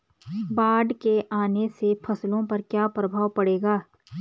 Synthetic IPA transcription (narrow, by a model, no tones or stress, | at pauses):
baːɖkeʔaːnesepʰɐslõpɐɾkjaːpɾɐbʱaːwpɐɽeːɡaː